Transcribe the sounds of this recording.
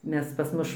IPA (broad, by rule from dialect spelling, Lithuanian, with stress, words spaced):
ˈmʲɛs pɐs ˈmʊʃ